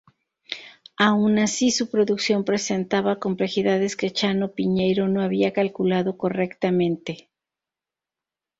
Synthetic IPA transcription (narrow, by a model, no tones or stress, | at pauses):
aunasisupɾo̞ðuksjo̞mpɾe̞se̞nt̪aβako̞mple̞xiðaðe̞ske̞t͡ʃano̞piɲe̞jɾo̞no̞aβiakalkulaðo̞ko̞re̞kt̪amẽ̞nt̪e̞